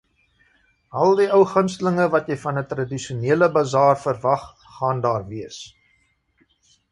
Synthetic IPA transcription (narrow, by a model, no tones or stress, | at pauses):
ɐlˠdiœwχənstələŋəvɐtjɛjfɐnətrɐdiʃiuniələbɐzɑːrfərvɐχː | ɑːndɑːrviəs